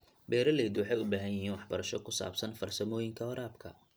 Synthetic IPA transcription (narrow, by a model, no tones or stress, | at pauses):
bɛːɾɐlɛːd̪wɑħɑjʊbaːɦɐjɪɦiːnwɑħbɐɾɐʃɔkʰʊsa̰ːb̥sɐnfɐrsɐmɔːjɪŋkʰɐɔɾaːbkʰɐ̰